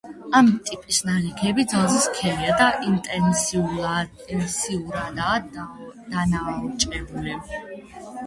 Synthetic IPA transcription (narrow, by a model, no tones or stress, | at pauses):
amt̪ʼipʼisnaliɡʰɛbid̪zalˠziskʰɛɾiad̪aʔint̪ʼɛnsia | ɛnsiuɾad̪a | d̪̥anat͡ʃʼɛbulɛb